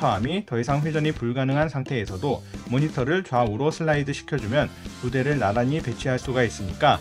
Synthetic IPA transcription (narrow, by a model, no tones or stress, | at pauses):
ʌamitʌisʰaŋɸwe̞d͡ʑʌɲipuɭɡanɯŋɦansʰaŋtʰe̞ːsʰʌdomoɲitʰʌɾɯɭt͡ɕwauɾosʰɯɭːaidɯɕʰi̥kʰjʌd͡ʑumjʌnpude̞ɾɯnaɾaɲipe̞t͡ɕʰiɦaɭs͈uɡais͈ɯmɲik͈a